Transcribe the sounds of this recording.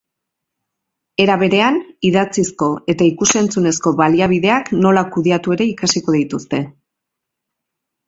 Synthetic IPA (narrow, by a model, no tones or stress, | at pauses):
e̞ɾaβ̞e̞ɾe̞aniðat͡sisko̞e̞t̪aikuse̞nt͡sune̞sko̞βaliaβ̞iðe̞akno̞lakuðeat̪ue̞ɾe̞ikasiko̞ðit̪ust̪e̞